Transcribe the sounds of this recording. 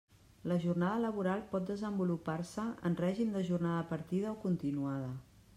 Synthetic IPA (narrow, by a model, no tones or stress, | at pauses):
ləʒurnaðələβ̞uɾalˠpɔt̪̚d̪əzəmbuluparsəə̰nrɛʒimd̪əʒurnaðəpəɾt̪iðəɔkunt̪inuaðə